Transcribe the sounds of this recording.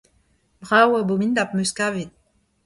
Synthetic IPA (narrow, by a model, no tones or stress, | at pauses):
bʁawabomind̪ap̚møskave